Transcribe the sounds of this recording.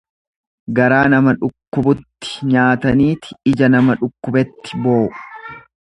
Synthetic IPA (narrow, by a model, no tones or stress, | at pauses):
ɡɐɾaːnɐmɐᶑʊkːʊbʊt̪ːɪ̥ɲaːt̪ɐniːt̪ɪ̥ɪd͡ʒɐnɐmɐᶑʊkːʊbɛt̪ːɪ̥boːʊ